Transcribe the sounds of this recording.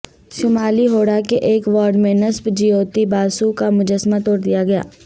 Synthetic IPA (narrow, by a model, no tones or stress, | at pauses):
ʃʊmaːliɦoːɽakeʔeːkʋɔːɾɖmẽnɐsbd͡ʒijoːt̪ibaːsukamʊd͡ʒəsmat̪oːɾd̪ijaɡɐja̰ː